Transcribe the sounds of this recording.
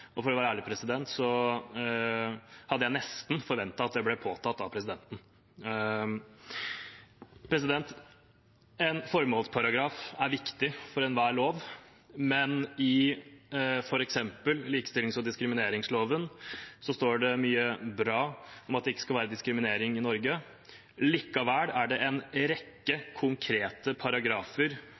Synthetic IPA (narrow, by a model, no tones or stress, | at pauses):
ɔfɔɾɔʋæːɾəæːɭɪpʰɾɛsɪd̪ɛnt̪sɔ | hɑd̪əjæɪnɛst̪n̩fɔɾʋɛnt̪ɑɑt̪̚d̪ɛblɛpʰoːt̪ʰɑt̪ːɑʋpʰɾɛs̬ɪd̪ɛnt̪n̩ | pʰɾɛs̬ɪd̪ɛnt̪ | ɛnfɔɾmoːlspʰɑɾɑɡɾɑːfæɾʋɪkt̪ɪfɔɾɛnʋæːɭoːʋ | mɛnɪ | fɔɾɛksɛmpəlliːkəst̪ɪlɪŋsɔd̪ɪskɾɪmɪneːɾɪŋsloːʋənsɔst̪oːɖɛmyːəbɾɑːɔmɑt̪d̪ɛɪkːə̥skɑlʋæːɾəd̪ɪskɾɪmɪneːɾɪŋɪnɔɾɡə | liːkːɑʋæːɽæɖɛʔɛnɾɛkːəkʰʊŋkʰɾeːt̪əpʰɑɾɑɡɾɑːfəɾ